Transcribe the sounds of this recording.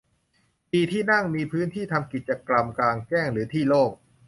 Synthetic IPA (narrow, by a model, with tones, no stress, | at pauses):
piː˧˩t̪ʰiː˥˩na˥˩ŋmiː˧pʰɯː˦˥nt̪ʰiː˥˩t̪ʰa˧mki˨˩t̪̚t͡ɕa˧kla˧mkaː˧nkɛː˥˩ŋɾɯː˩˦t̪ʰiː˥˩loː˥˩k̚